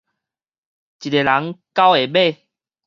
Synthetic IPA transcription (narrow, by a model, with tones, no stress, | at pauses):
t͡ɕi˨te˨˩la˨˦ŋka˦we˨be˥˨